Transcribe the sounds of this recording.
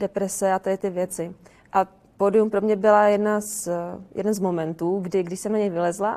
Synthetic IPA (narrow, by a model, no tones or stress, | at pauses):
dɛpɾɛsɛat̪adɪt̪ɪvjɛt͡sɪ | ʔa | poːdɪumpɾo̞mɲɛbɪlajɛdnasjɛ̰dɛnzmo̞mɛnt̪uːɡdɪɡdɪʃsɛmnaɲɛjvɪlɛzla